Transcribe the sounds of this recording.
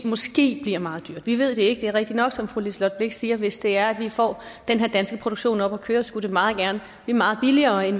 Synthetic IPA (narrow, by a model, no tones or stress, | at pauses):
mɒ̽sɡ̥e̝̰ːb̥liɐ̰mɑ̈ːð̩ˠd̥yɐ̰d̥ʋiʋe̝ð̞̰ˠd̥e̝e̝ɡ̥əd̥eæɐʁɛɡ̥̚d̥inɒ̽ɡ̥sɒ̽mfʁulislɒd̥̚bleɡ̥siːɐʋe̝sd̥e̝æɐæd̥ʋifɒ̰ː | d̥enɦe̝ɐ̰d̥ænsɡ̥əpʰʁoɾoɡ̥ɕo̝̰ːnɒ̽b̥ɒkʰøːɐsɡ̥udɾe̝mɑ̈ːð̞̩ˠɡ̥æɐnə | b̥lḭːmɑ̈ːð̞̩ˠb̥iliɐːen